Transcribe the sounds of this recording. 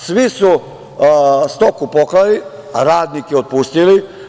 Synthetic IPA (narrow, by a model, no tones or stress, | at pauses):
sʋisu | st̪okupoklali | ɾaːd̪nikeot̪̚pust̪ili